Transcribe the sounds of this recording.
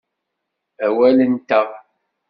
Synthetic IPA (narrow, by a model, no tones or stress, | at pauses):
æwælənt̪æ